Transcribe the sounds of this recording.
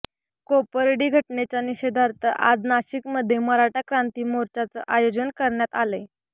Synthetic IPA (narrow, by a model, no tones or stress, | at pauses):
kopəɾɽiːɡʱəʈɳet͡ɕjaniɕed̪ʱaɾt̪əʔa̰d̪naɕikməd̪ʱːjeməɾaʈakɾant̪iːmoɾt͡ɕat͡sə̰ʔajod͡ʑənkəɾɳjat̪aləj